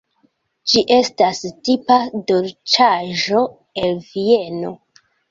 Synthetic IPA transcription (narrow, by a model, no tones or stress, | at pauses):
d͡ʒiʔe̞stastipadolt͡ʃaʒo̞ | elvie̞no̞